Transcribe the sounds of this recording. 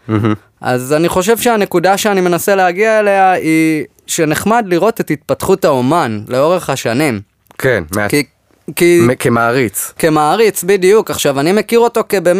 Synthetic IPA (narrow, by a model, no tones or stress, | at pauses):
ʔa̰zaniχo̞ʃ̬e̞vʃeane̞kudaʃeanime̞naseleaɡiaeleai | ʃe̞ne̞χmadliʁo̞te̞tit̪̚patχutaomanleo̞ʁe̞χhaʃanim | kʰenmek | kikemaːʁit͡skemaːʁit͡sbidijukaχʃavanime̞kiʁo̞to̞kebem